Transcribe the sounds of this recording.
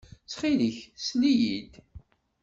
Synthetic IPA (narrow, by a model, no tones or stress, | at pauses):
t͡sːχiliçslijid̪